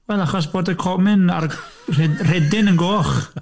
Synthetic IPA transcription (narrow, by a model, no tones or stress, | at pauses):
wɛlˠaχɔs̬b̥oːdəkʰɔmɪnar | rɛr̥ɛdɪnənɡoːχ